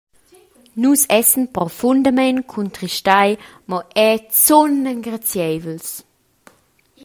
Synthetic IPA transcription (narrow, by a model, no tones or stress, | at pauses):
nusɛsənpɾɔfundəmɛnkʰuntɾiʃtajmɔʔɛt͡sɔnəŋɡɾat͡sjɛjvəls